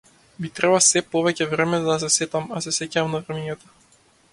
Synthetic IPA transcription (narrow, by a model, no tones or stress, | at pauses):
bit̪ɾɛbasɛpɔvɛcɛvɾɛmɛd̪as̬ɛsɛt̪amasɛsɛcamnavɾɛmiɲat̪ɔ̥